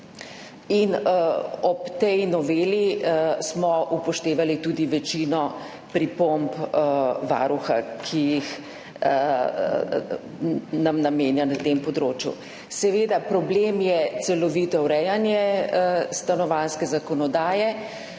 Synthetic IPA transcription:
in | ɔpt̪ɛjnɔʋeːlismɔʔupɔʃt̪eːʋalit̪uːd̪iʋɛt͡ʃinɔ | pɾipompʋa̰ɾuxa̰kʰijix | namnameːnjanat̪empɔd̪ɾoːt͡ʃjṵ | sɛʋeːd̪apɾɔbleːmjɛsɛlɔʋiːt̪ɔuɾɛjanjɛ | st̪anɔʋanskɛzakɔnɔd̪aːjɛ

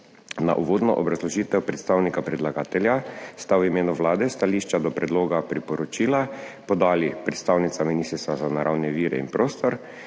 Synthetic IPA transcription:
na̰ʔuʋoːd̪nɔʔɔbɾazlɔʒiːt̪ɛwpɾɛt̪st̪aːwnikapɾɛd̪laɡaːt̪ɛljast̪awimeːnuʋlaːd̪ɛst̪aliːʃt͡ʃad̪ɔpɾɛd̪loːɡapɾipɔɾɔt͡ʃiːlapɔd̪aːlipɾɛt̪st̪aːwnit̪saminist̪ɾst̪azanaɾʔawnɛʋiːɾɛ̰ḭnpɾoːst̪ɔɾ

